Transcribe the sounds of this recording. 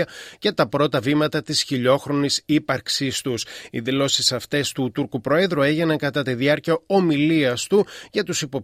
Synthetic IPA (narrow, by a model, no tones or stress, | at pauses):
ɐce̞t̪ɐpɾo̞t̪ɐvimɐt̪ɐt̪isçiʎo̞xɾo̞nisipɐɾksist̪usiðilo̞sisɐft̪e̞st̪ut̪uɾkupɾo̞e̞ðɾue̞ʝinɐŋkɐt̪ɐt̪iðiɐɾciɐo̞miliɐst̪uʝɐt̪usipo̞p